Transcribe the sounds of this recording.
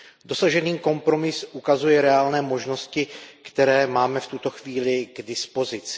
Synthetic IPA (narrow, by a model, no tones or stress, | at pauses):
do̞saʒɛniːko̞mpɾo̞mɪsʔukazujɛɾɛaːlnɛːmo̞ʒno̞scɪkt̪ɛɾɛːmaːmɛft̪ut̪o̞xviːlɪɡdɪspo̞zɪt͡sɪ̥